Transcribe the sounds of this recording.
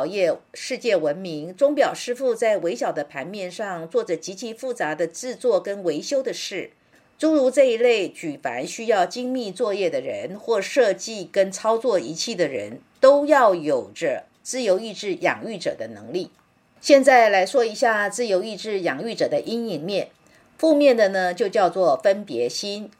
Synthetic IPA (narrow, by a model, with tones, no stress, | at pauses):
jɛ˥˧ʂɻ̩˥˧t͡ɕjɛ˥˩wə˧˥nmi˧˥ŋt͡sʊ˥ŋpjɑ˨˩ʊʂɻ̩˥fu˥˧t͡sa˥˩ɪwe˧˥ɪɕjɑ˨˩ʊd̪ə˦pʰa˧˥nmjɛ˥˧nʂɑ˥˧ŋt͡swɔ˥˩ʈ͡ʂə˨˩t͡ɕi˧˥t͡ɕʰi˧˥fu˥˩t͡sa˧˥d̪ə˧t͡sɻ̩˥˧t͡swɔ˥˩kə˥nwe˧˥ɪɕjo˥ʊd̪ə˨ʂɻ̩˥˩ | ʈ͡ʂu˥ɻu˧˥ʈ͡ʂɤ˥˩i˧˥le˥˩ɪt͡ɕy˨˩fa̰˧˥nɕy˥jɑ˥˩ʊt͡ɕi˥ŋmi˥˧t͡swɔ˥˧jɛ˥˩d̪ə˩ɻə̰˧˥nxwɔ˥˩ʂɤ˥˧t͡ɕi˥˩kə˥nt͡sʰɑ˥ʊt͡swɔ˥˩i˧˥t͡ɕʰi˥˩d̪ə˩ɻə̰˧˥n | t̪o˥ʊjɑ˥˩ʊjo˨˩ʊʈ͡ʂə˦ | t͡sɹ̩˥˩jo˧˥ʊi˥˧ʈ͡ʂɻ̩˥˩jɑ̰˨˩ŋy˥˩ʈ͡ʂɤ̰˨˩d̪ə˦nɤ̰˧˥ŋli˥˩ | ɕjɛ˥˧nt͡sa˥˩ɪla˧˥ɪʂwɔ˥i˧˥ɕja˥˧t͡sɹ̩˥˩jo˧˥ʊi˥˧ʈ͡ʂɻ̩˥˩jɑ˨˩ŋy˥˩ʈ͡ʂɤ˨˩d̪ə˦ʔi˥ni˧˥ŋmjɛ˥˩n | fu˥˧mjɛ˥˩nd̪ə˩nə˩t͡ɕjo˥˧ʊt͡ɕjɑ˥˧ʊt͡swɔ˥˩fə˥npjɛ̰˧˥ɕi˥n